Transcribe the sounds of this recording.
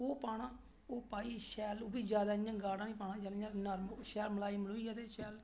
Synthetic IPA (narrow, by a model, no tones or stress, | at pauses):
oːpaːɽãː | oːpaːiːʃɛːloːbiːd͡ʒjaːd̪aːɪjãːɡaːɽãːnĩːpaːnãːd͡ʒaːljãnəɾmʃɛːlməlaːiːməloːiːat̪eːʃɛːl